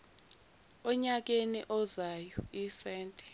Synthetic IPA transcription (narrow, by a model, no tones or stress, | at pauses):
ɔɲak̬enḭʔɔzajɔisɛːntʼɛ̥